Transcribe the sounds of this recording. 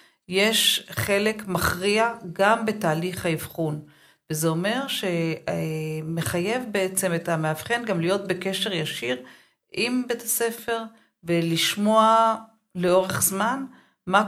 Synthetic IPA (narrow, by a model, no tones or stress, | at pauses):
jeʃχe̞le̞kmaχʁiaɡambe̞taːliχhaivχun | vezeome̞ʁʃe̞ | me̞χaje̞vbeet͡semetameav̥χenɡamlijo̞t̚be̞keʃe̞ʁjaʃiʁ | ʔimbetase̞fe̞ʁ | veliʃmo̞a | le̞o̞ʁe̞χzman | ma